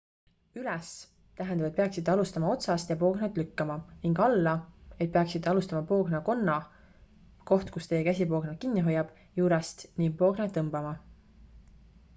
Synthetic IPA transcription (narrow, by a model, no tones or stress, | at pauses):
ylɛs | t̪æɦend̪ɑb̥et̪̚pe̞ɑksit̪ːeɑlust̪ɑmɑo̞t̪sɑst̪jɑpo̞ːɡnet̪ˑlykːɑmɑniŋɡ̥ɑlːɑet̪̚peɑksit̪ːeɑlust̪ɑmɑpo̞ːɡnɑko̞nːɑ | ko̞ht̪kust̪e̞jekæsʲipo̞ːɡ̥nekinːiɦo̞jːɑb̥ | juːɾɛst̪niŋɡ̚po̞ːɡ̥net̪ːɤmb̥ɑmɑ